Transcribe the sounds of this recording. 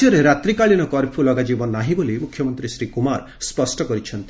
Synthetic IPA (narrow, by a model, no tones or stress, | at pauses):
jɔɾeɾat̪ɾikaɭinɔkɔɾpʰulɔɡad͡ʒibɔnːaɦibolimukʰːjɔmɔnt̪ɾisɾikumaɾ | spɔsʈɔkɔɾit͡ʃʰɔnt̪i